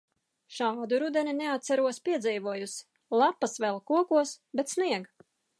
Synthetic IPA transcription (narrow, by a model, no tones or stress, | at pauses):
ʃɑːd̪uɾud̪ɛnʲineat̪t̪sæɾuɔspʲiɛd̪ziːvuɔjus | lˠapːasvɛlˠkuɔkuɔs | bet̪sniɛɡ